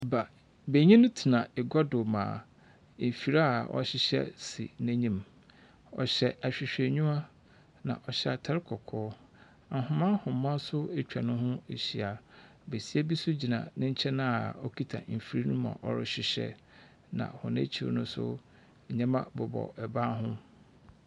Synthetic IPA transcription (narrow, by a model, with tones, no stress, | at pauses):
ba˨ | be˨ɲĩ˦nʊ̃˦tʰi˨nã˨ɪ˨ɡɔ˦dʊ˨mã̰ː˨ | fi˨ɾa˦˨ʔɔ̰˦ɕɪ˦ɕɛ̰˦sḭ˨næ̃˦ɲĩ˦m | ɔ̰˨ɕɛ˨a˨ɕᶣɪ˨ɕᶣe˨ɲũ˦ma˦ | nã̰˨ʔɔ˨ɕɛ˦a˨tʰa˦ɾɪ˦kʰɔ˨kʰɔː˦ | a˨ɦʊ̃˨mã˦hʊ̃˨mã˦sʊ˦e˦t͡ɕᶣa˨nʊ̃˦ɦʊ̃˦e˨ɕi˨a˨ | be˨si˦ɛ˦bi˦sʊ˦d͡ʑi˨nã̰˨nɪ̃˦ɲ̩˦t͡ɕʰɛ˦nã˦a˨ɔ˦kʰi˦tʰa̰˨m̩˨fi˨˦ɾi˦nũ˦mã̰˨ʔɔ̰˦ɾɪ˦ɕɪ˨ɕɛ̰˦ | nã̰˨hʊ̰̃˨nḛ̃˦t͡ɕʰi˨ɾ̰nʊ̃˦sʊ̰˦ | e˨ɲã˦mã˦bʊ˨bɔ̰˨ɛ˨ba˦ɦʊ̃˦